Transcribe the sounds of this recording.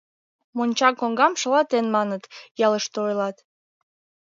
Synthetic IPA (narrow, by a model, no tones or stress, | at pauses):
monʲt͡ɕɑkoŋɡɑmʃəlɑt̪enmɑnət̪jɑləʃt̪ojlɑt̪